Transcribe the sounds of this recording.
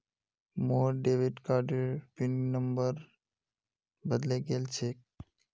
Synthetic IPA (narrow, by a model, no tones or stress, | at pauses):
mõɖeʋiɖkaɾɖeɾpinnəmbəɾ | bəd̪leɡelt͡ʃʰek